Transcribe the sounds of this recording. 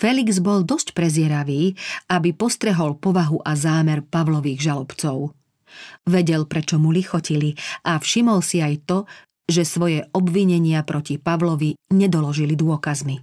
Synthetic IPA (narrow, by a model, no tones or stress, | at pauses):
fɛliɡzbɔld̪ɔscpɾɛzɪɛɾaʋiːabipɔst̪ɾɛɦɔlpɔʋaɦuʔazaːmɛɾpaʋlɔʋiːɣʒalɔpt͡sɔʊ | ʋɛɟɛlpɾɛt͡ʃɔmulixɔciliʔafʃimɔlsiajt̪ɔ | ʒɛsʋɔjɛʔɔbʋiɲɛɲɪapɾʔɔcipaʋlɔʋiɲɛd̪ɔlɔʒilid̪ʊɔkazmi